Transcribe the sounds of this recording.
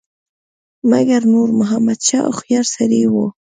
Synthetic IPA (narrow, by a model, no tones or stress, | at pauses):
maɡaɾnoɾmʊɦamad̪ʃɑ̰xjaɾsaɾiwo